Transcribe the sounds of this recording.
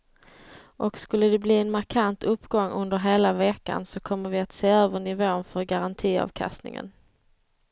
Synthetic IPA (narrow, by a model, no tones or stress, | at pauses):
ʔɔkskɵlːəd̪ɛbliːɛnmaɾkʰant̪ʰɵpːɡɔŋːɵnd̪əɾɦeːlavɛːka̰nsɔkʰɔmːəɾvɪat̪seːøːvəɳɪvoːənfœɾɡaɾant̪ʰiːɑ̰vkʰa̰st̪nɪ̰ŋə̰n